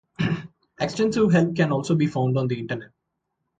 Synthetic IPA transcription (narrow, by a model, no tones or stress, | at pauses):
eksʈẽnsɪʋɦɛlp̪̚kɛ̃nɔːlsoːbiːfãʊ̃ɳɖɔ̃ːnd̪iɪ̃ɳʈəɾneʈ̚